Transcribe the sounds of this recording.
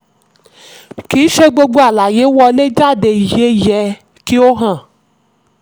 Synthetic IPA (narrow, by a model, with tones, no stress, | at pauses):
ki˨˦ʃe˧ɡ͡bo˧ɡ͡bo˧a˨la˨je˨˦wɔ˧le˦d͡ʒa˦˨de˧˨i˨je˨˦˨jɛ˧ | ki˦o˦ɦã˦˨